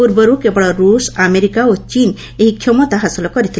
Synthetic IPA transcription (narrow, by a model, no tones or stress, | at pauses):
uɾbɔɾukebɔɽɔɾusameɾikaot͡ʃin | eɦikʰjɔmɔt̪aɦasɔlɔkɔɾit̪ʰil